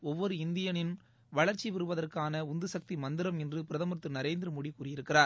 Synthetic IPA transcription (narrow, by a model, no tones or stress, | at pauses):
ɔʋːɔɾɯɪnd̪ɪjɐnɪn | ʋɐɭɐɾt͡ʃːiʋɪɾɯʋɐðɐrkaːnɐʊnd̪ɯsɐk̚t̪imɐnd̪ɪɾɐmɛndrɯpɪɾɐðɐmɯɾɐt̪ːɯnɐɾeːnd̪ɪɾɯmʊɽikːuːrɪjɪɾɯkːɪraːɾ